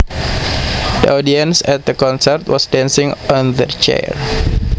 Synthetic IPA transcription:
də̰ʔɔdiənsɛt̪̚d̪əkɔ̃nsɛrt̪wɔ̰sdɛ̃nsɪ̃ŋɔ̃nðət͡ʃɛ̰ɹ

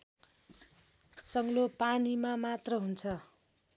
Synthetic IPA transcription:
sʌŋlopanimamat̪rʌɦunt͡sʰʌ

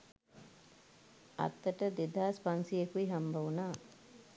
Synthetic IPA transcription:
ɐ̰t̪ːəʈəd̪ed̪aːspansijekuiɦambɐʋunaː

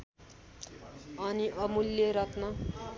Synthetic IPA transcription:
ʌniʔʌmuljeɾʌt̪nʌ

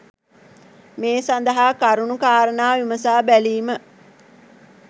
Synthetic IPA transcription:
meːsand̪ɐɦaːkaɾunukaːɾənaːʋiməsaːbæliːmə

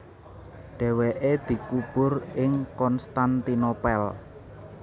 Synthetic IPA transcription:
ɖ̥ɛ̤weʔed̪̥i̤kub̥ʊ̤rɪŋkɔnst̪ant̪inopɛl

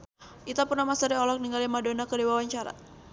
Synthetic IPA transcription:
ʔit̪apurnamasaɾiɔlɔk̚niŋɡaljamadonakədiwawaɲt͡ʃaɾa̰

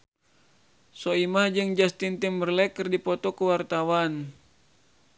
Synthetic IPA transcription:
soimahd͡ʒɨŋd͡ʒast̪int̪imbərlɛkɨrdipɔt̪ɔkuwart̪awan

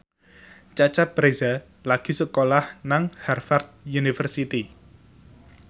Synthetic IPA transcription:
t͡ʃat͡ʃab̥ɾeza | laɡ̥i̤səkolahnaŋharfart̪̚junifərsit̪i

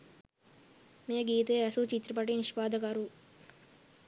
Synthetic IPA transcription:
meːəɡiːt̪əjəæsut͡ʃit̪ɾɐpɐʈiniʃpaːd̪əkɐɾu

